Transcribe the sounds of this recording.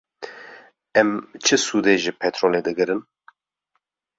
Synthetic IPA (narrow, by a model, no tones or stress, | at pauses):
ɛmt͡ʃʰɨsuːd̪eːʒɨpʰɛt̪ɾoːleːd̪ɨɡɨɾɨn